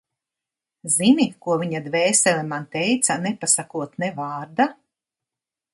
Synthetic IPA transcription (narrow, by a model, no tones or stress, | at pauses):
zinikuɔviɲad̪vɛːsɛlʲɛmant̪ɛjt̪sanɛpasakuɔt̪nɛvaːɾd̪a